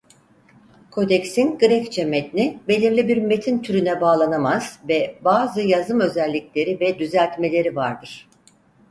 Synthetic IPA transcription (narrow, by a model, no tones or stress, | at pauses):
kʰo̞d̪ɛcsinɡɯɾɛct͡ʃʰɛmɛt̪inibe̞lʲiɾlʲibiɾme̞t̪ʰint̪ʰyɾynɛbaːlˠanamaz̥vɛbaːzɯjazɯmø̞zɛlʲːiclʲe̞ɾivɛd̪yzælʲt̪me̞lʲe̞ɾivaɾd̪ɯɾ̥